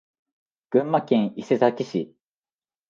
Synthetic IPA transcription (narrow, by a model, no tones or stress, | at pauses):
ɡ̥ɯ̟̃mːakẽ̞ɰ̃ise̞zakʲiɕi